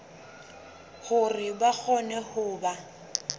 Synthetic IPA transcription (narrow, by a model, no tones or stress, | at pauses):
hʊrɪbak͡xʰɔnɛhʊːba